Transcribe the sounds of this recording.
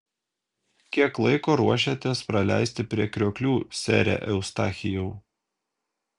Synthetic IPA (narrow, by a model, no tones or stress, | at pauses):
kʲiɛklˠɐɪkoːɾuɔʃ̬ʲɛt̪ʲeːspɾɐlʲæ̰ˑɪsʲt̪ʲɪpʲɾʲiɛkɾʲoːkʲlʲuːsʲæ̰ːɾʲɛ̰ʔɛʊst̪ɑːxʲɪjɛʊ